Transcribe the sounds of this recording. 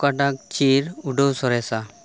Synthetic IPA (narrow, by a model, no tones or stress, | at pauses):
kaʈak̚t͡ɕiɾuɖowsɔɾɛsa